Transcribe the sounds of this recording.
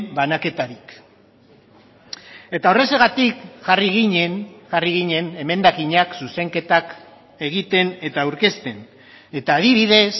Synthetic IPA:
banake̞t̪aɾik | e̞t̪ao̞re̞se̞ɣat̪ikʝariɣiɲenʝariɣiɲe̞ne̞me̞nd̪akiɲaksuse̞ŋke̞t̪ak | e̞ɣ̞it̪e̞ne̞t̪awɾke̞st̪e̞n | e̞t̪aːð̞iβ̞iðe̞s

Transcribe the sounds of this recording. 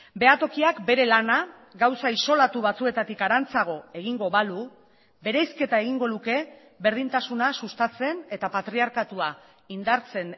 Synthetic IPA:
be̞at̪o̞kiakbe̞ɾe̞lana | ɡawsaiso̞lat̪uβat͡sue̞t̪at̪ikaɾant͡saɣ̞o̞e̞ɣ̞iŋɡo̞βalu | be̞ɾejske̞t̪ae̞ɣ̞iŋɡo̞nuke̞ | βe̞ɾðint̪asunasust̪at͡se̞ne̞t̪apat̪ɾiaɾkat̪ua | ind̪aɾt͡se̞n

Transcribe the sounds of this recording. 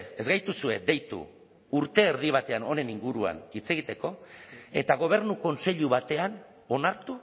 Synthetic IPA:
e̞zɣajt̪usue̞d̪e̞jt̪ṵ | uɾt̪e̞ːɾð̞iβat̪e̞ano̞ne̞niŋɡuɾua̰nit͡se̞ɣ̞it̪e̞ko̞e̞t̪aɣ̞o̞β̞e̞ɾnuko̞nse̞ʎuβ̞at̪e̞an | o̞naɾt̪u

